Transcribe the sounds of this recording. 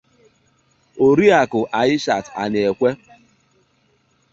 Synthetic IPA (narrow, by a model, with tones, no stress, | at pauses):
o˨ɾi˦a˨kʊ˨ʔa˨ɲɪ˦ʃa˨ta̰˨nɪ˨e˨kʷe˦